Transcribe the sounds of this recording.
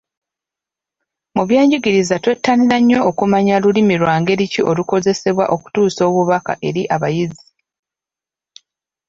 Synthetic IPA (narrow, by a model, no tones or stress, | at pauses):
muβjaːɲɟiɡiɾizatwetʰːaniɾaɲːo̞ːkumaɲalulimiɾwaːŋɡe̞ɾiciʔo̞luko̞ze̞se̞βwa̰ʔo̞ku̥tuːso̞ːβuβaka̰ʔe̞ɾiʔaβajizi